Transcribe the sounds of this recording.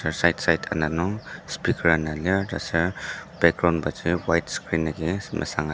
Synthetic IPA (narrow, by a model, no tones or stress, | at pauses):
saɾsajtsajtʰa̰nanɔŋspikʰɾanalada̰saɾb̥ɛk̚ɡɾawnbaziwajtskɾinːaɡema̰saŋa